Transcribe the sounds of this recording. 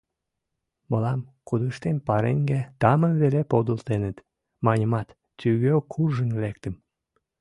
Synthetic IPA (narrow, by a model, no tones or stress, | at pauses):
məlɑmkud̪əʃt̪enpɑɾḛŋɡæt̪ɑmənβelepod̪əlt̪enət̪ | mɑnʲəmɑt̪ | t̪yɣøkʰurʒənlek̚t̪əm